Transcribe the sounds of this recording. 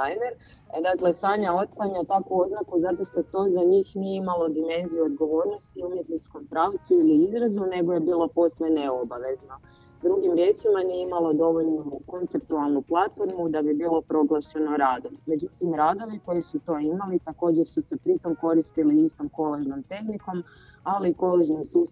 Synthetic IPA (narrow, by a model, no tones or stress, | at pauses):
ajneɾ | d̪akle̞saːɲao̞t̪̚klaɲat̪akuo̞znakuzat̪o̞ʃt̪o̞t̪o̞ːzaɲiːxnijeimalo̞d̪ime̞nzijuod̪ɡo̞ʋo̞ːɾno̞st̪iumje̞t̪nit͡ʃko̞mpɾaːwt̪suiliizɾazune̞ɡo̞je̞biːlo̞po̞sʋeneo̞baʋe̞zno̞ | d̪ɾuɡimɾje̞ːt͡ʃimanijeimalod̪o̞ʋoʎnuko̞nt̪se̞pt̪ualˠnuplˠat̪fo̞ɾmud̪abibiːlˠo̞pɾo̞ɡlˠaʃe̞no̞ɾaːd̪o̞mːe̞d͡ʒut̪imɾaːd̪o̞ʋiko̞jisut̪o̞imalit̪ako̞ːd͡ʑe̞ɾsuse̞pɾit̪o̞mko̞ɾist̪iliist̪o̞mko̞leʒno̞mt̪e̞xniko̞m | aliːko̞leʒnimsuːst̪